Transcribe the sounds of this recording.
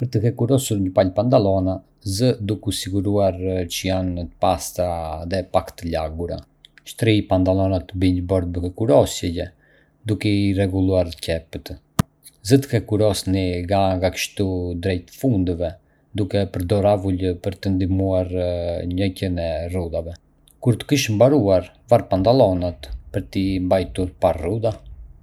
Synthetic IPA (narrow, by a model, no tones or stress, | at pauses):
pəɾt̪əhɛkuɾɔsuɾɲəpalpand̪alˠɔna | zəd̪ukusiɡuɾuaɾt͡ɕəjant̪əpast̪aðɛpakt̪əlaɡuɾa̰ | ʃt̪ɾipand̪alˠɔnat̪əbiɲəbɔɾd̪̚bəhɛkuɾɔsjɛjɛ | d̪ukɛirɛɡulˠuaɾcɛpət̪ | zət̪kɛkuɾɔsniɡaŋɡakə̥ʃt̪ud̪ɾɛjt̪fund̪vɛ | d̪ukɛpəɾd̪ɔɾavuləpəɾt̪ənd̪imuaɾɲɔjcənɛrud̪avɛ | kuɾt̪ə̥kiʃmbaɾuaɾ | vaɾpant̪alˠɔnat̪pəɾt̪imbajt̪uɾparud̪a